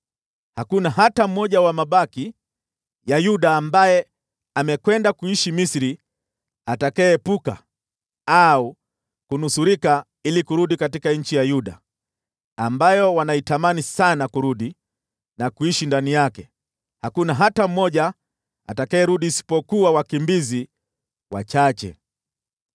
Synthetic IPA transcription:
hakunaɦatam̩mɔʄawamaɓaki | jajuɗaːmbajɛ | amɛkwɛndakuiʃimisɾi | atakɛːpuka̰ | au | kunusuɾika | ilikuɾuɗikat̬ikaɲ̩t͡ʃijajuɗa̰ː | mbajɔwanaitamanisanakuɾuɗi | nakuiʃindanijakɛ | hakunaɦatam̩mɔʄa | a̰takaɛɾuɗiːsi̥pɔkuwawakimbizi | wa̰t͡ʃat͡ʃɛ̰

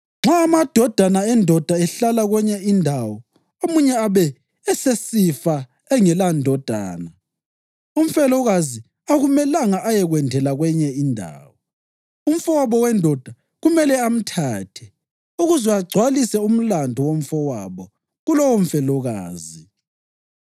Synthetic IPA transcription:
ŋ͡ǁaːmad̥ʱɔd̥ʱanaɛndʱɔd̥ʱaɛɬalaɣwɛɲɛindʱawɔ | omuɲɛaβɛː | sesifa | ɛŋɛlandʱɔd̥ʱa̰ːna | um̩fɛlɔɣazi | aɣumɛlaŋaʔajɛɣwɛndʱɛlaɣwɛɲɛindʱa̰ːwɔ | um̩fɔwaβɔwɛndʱɔd̥ʱa | ɣumɛlɛam̩tʰaːtʰɛ | uɣuzwɛaɡ͡ǀʱwalisɛum̩landʱɔwom̩fɔwaβɔ | ɣulɔwom̩fɛlɔɣaːzi

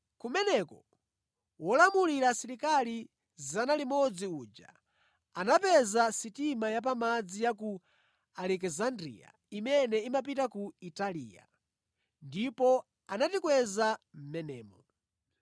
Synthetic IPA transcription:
kumɛnɛkɔ | wɔlamuliɾasiɾikali | zanalimɔd͡ziud͡ʒa̰ | anapɛzasitimajap̬amad͡zijak̬u | alɛk̬ɛzandɾḭja̰ | imɛnɛimap̬itakuitalḭːja̰ | ndipɔ | anatikwɛzam̩mɛnɛːmɔ

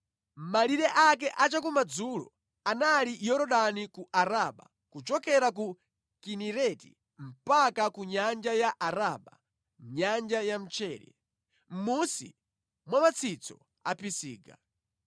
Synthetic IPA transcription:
m̩maliɾɛʔakɛʔat͡ʃakumad͡zulɔ̰ | analijɔɾɔɗanikuʔaɾaɓa̰ | kut͡ʃɔkɛɾak̬u | kiniɾɛtḭ | m̩pakakuɲand͡ʒajaʔaɾaɓa̰ | ɲand͡ʒajam̩t͡ʃʰɛːɾɛ̰ | m̩musḭ | mwamat͡sʰit͡sɔ̰ | a̰pisḭːɡa̰

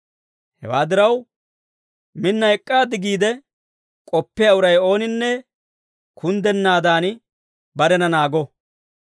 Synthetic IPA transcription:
hɛ̰waːd̪ɪɾɐw | mɪnːɐjɛkʼːaːd̪ɪɡiːd̪ɛ | kʼɔpːɪjaʊɾɐjo̞ːnɪnːɛ | kʰʊnd̪ɛnːaːd̪aːn | bɐɾɛnɐnaːɡɔ

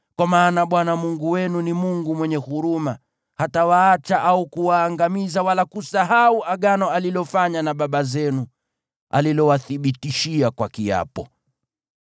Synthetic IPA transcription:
kwamaːnaɓwanamuŋɡuwɛnunimuŋɡumwɛɲɛhuɾuma | hatawaːt͡ʃaʔaukuwaːŋɡamizawalakusaɦauaɠanɔalilɔfaɲanaɓaɓazɛnu | a̰lilɔwaθiɓitiʃiakwakia̰pɔ

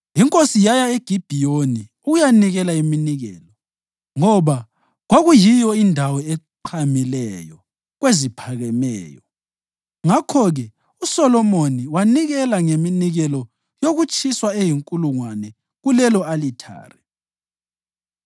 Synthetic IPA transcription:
iŋkʼosijajaeɡ̥ʱib̥ʱijoni | uɣujaniɣɛlaiminiɣɛːlɔ | ŋɔβa | ɣoɣujijɔindʱawɔɛǃʰamilɛjɔ | ɣwezipʰaɣɛmɛ̰ːjɔ | ŋakʰɔɣɛ | usɔlɔmoniwaniɣɛlaŋeminiɣɛlɔ | joɣut͡ʃʼiswaejiŋkʼuluŋwanɛ | ɣulɛlɔalitʰa̰ːrɛ

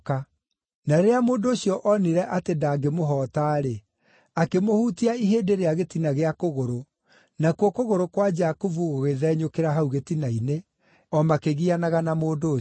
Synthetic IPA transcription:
ka | naɾeamoːndooɕijɔʔɔniɾɛʔatedaːɡemoɦɔːtaːɾe | akemohuːtiaiɦeːdeɾeaɣetinaɣeakoɣoɾo | nakwɔkoɣoɾokwad͡ʒakovuɣoɣeðɛːɲokeɾaɦauɣetinaine | ɔmakeɣianaɣanamoːndo

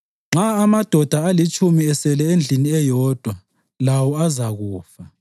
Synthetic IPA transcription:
ŋ͡ǁʱaːmad̥ʱɔd̥ʱaalit͡ʃʼumiɛsɛlɛend͡ɮʱiniɛjɔːd̥ʱwa | lawɔazaɣuːfa

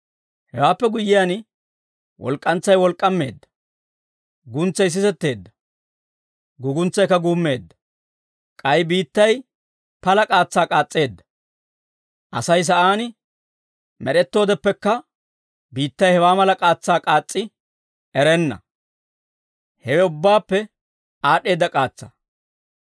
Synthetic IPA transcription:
hɛwaːpːɛɡʊjːɪjaːn | wʔɔ̰lkʼːɐnt͡sːɐjwɔlkʼːɐmːe̞ːd̪ːɐ̥ | ɡʊnt͡sːɐjs̬ɪsɛt̪ːe̞ːd̪ːɐ̥ | ɡʊɡʊnt͡sːɐjkːɐɡuːmːe̞ːd̪ːɐ | kʼɐjbiːt̪ːɐj | pɐlɐkʼaːt͡sːaːkʼaːt͡sʼːe̞ːd̪ːɐ̥ | ʔɐ̰sɐjs̬ɐʔaːnɪ | mɛɗɛt̪ːo̞ːd̪ɛpːɛkːɐ | biːt̪ːɐjhɛwaːmɐlɐkʼaːt͡sːaːkʼaːt͡sʼːɪ | ʔɛɾɛnːɐ̰ | hɛwɛʊbːaːpːɛ | aːɗe̞ːd̪ːɐkʼaːt͡sːa̰

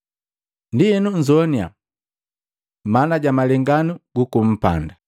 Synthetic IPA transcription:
ndiɛnuɲd͡ʒɔnia̰ | manaɟamalɛŋɡanuɡukum̩pa̰nda

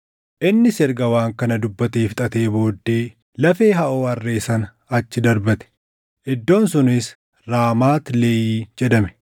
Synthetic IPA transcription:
ʔɪnːɪsɛɾɡɐwaːŋkɐnɐd̪ʊbːɐt̪eːft̪ʼɐt̪e̞ːbo̞ːd̪ːe̞ː | lɐfe̞ːɦɐʔoːɐrːe̞ːsɐnɐ | ɐt͡ʃːɪd̪ɐɾbɐt̪ɛ̥ | ʔɪd̪ːo̞ːnsʊnɪs | ɾaːmaːt̪leːjiːd͡ʒɛd̪ɐmɛ̥

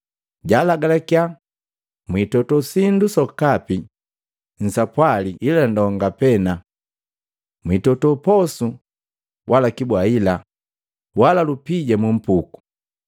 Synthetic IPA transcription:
ɟalaɡalakja | mwitɔtɔsindusɔkapi | n̩sapwaliʔilandɔŋɡapɛna | mwitɔtɔpɔsu | wʔalakibwaila | walalupiɟamum̩puku̥

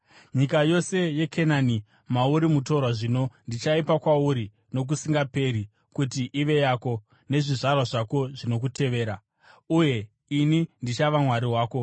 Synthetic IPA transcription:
ɲikajo̞se̞je̞kʰenaːni | mauɾimuto̞rwaʐino̞ndit͡ʃaipakwauɾi | no̞k̬usiŋɡape̞ɾi | kutiʔiʋe̞jaːko̞ | ne̞ʐiʐarwaʐako̞ʐino̞k̬utʰe̞ʋe̞ːɾa | uje̞ | inindit͡ʃaʋamwaɾiɦwaːko̞

